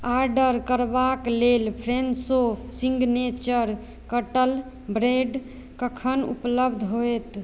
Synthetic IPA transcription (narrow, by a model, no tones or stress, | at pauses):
aɾɖəɾkəɾbaklelpʰɾensosĩŋɡnet͡ʃəɾ | kəʈəl | bɾeɖ | kəkʰənṵpləbd̪ʱɦojt̪